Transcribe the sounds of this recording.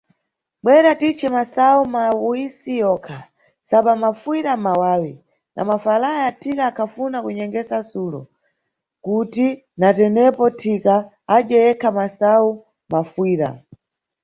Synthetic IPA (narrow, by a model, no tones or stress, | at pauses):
ɓwɛɾatit͡ʃʰɛmasaumauisijɔkʰa | saɓamafwiɾamawaːwi | nʔa̰mafalajatʰikaːkʰafunakuɲɛŋɡɛsasulɔ̰ | kuti | natɛnɛpɔtʰika | ad͡ʒɛjɛkʰamasau | mafwiːɾa̰